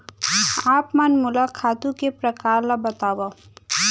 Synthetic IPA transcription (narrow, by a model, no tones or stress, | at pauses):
aːpmanmʊlakʰaːt̪ũkepɾəkaːɾlabɐt̪aːwa